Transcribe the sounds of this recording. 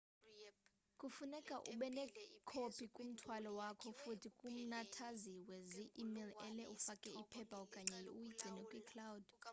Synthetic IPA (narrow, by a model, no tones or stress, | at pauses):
kʼufunɛkʼaʔṵɓɛnɛkʰopʰʼikʼum̩tʰwalɔwakʰɔfutʰikʼum̩natʰaziweziʔːmilɛlɛʔufakʼɛipʰɛpʰʼaɔkʼaɲɛjujiɡ͡ǀʱinɛkʼwikʰlawd̥